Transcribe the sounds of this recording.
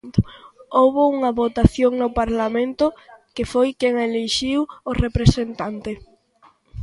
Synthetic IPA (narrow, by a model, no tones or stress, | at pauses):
owβouŋɐβot̪aθjoŋnʊpaɾlamẽnt̪ʊkefojkeŋeleʃiworepɾesent̪ant̪e